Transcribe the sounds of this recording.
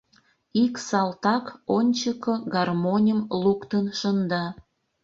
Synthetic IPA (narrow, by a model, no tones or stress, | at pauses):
iksɑlt̪ɑkonʲt͡ɕəkəɡɑrmonʲəmlukt̪ənʃənd̪ɑ